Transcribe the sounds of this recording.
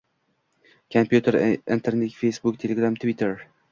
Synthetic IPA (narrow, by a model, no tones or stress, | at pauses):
kʰompʰjut̪ʰeɾɪnt̪ʰeɾnekfejsbʊkt̪ʰelʲeɡɾamt̪ʰvit̪ʰeɾ